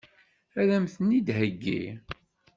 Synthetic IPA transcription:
æɾæmθənid̪ɦəɡːḭ

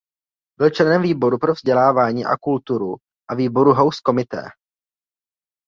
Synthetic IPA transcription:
bɪlt͡ʃlɛnɛmviːbo̞ɾupɾovzɟɛlaːvaːɲiːʔa̰kult̪uɾu | ʔaviːbo̞ɾuɦawsko̞mɪt̪ɛ̰ː

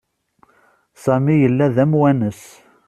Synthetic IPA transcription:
sæmijəlːæðæmwænəs

